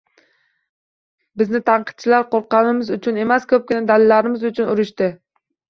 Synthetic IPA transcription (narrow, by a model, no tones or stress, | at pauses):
bɪznɪt̪ʰɑɴqʰɨ̥t̪̚t͡ʃʰɪlaɾqʰoɾqɑnɪmɪzʊt͡ʃʰʊne̞maskʲʰɵp̚kʲɪnad̪alɪlːaɾɪmɪzʊt͡ʃʰʊnʊɾɪʃt̪ɪ